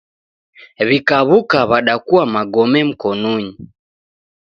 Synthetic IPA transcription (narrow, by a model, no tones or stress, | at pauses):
βikaβukaβaɗakuamaɡɔmɛm̩kɔnuɲi